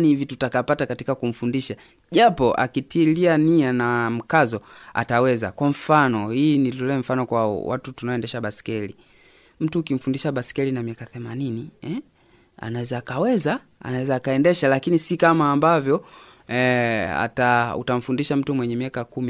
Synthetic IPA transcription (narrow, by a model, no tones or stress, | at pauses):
nihivitutakapatakatikakum̩fundiʃa | ʄapɔʔa̰kitilianianam̩kazɔa̰tawɛza̰kwam̩fanɔhiːnilulɛm̩fanɔkwawa̰tutunaɔɛndɛʃaɓasi̥kɛli | m̩tuːkim̩fundiʃaɓasi̥kɛlinamiakaθɛmaniniɛ | a̰nawɛzaːkawɛza | a̰nawɛzaːkaɛndɛʃalakinisikamaːmbavjɔ | a̰taṵtam̩fundiʃam̩tumwɛɲɛmiakakumi